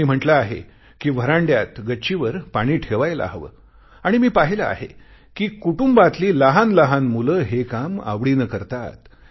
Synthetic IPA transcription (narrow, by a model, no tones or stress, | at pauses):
miːm̤əʈlaaɦḛ | kiːʋ̤əɾãɳɖjat̪ɡətːɕiʋəɾpaɽ̃iːʈʰeʋajla̰ɦʋə̰ː | aɽ̃imiːpaɦilaa̰ɦḛ | kiːkuʈumbat̪liːləɦanləɦanmuləːɦekama̰ʋɽiːnəkəɾt̪a̰t̪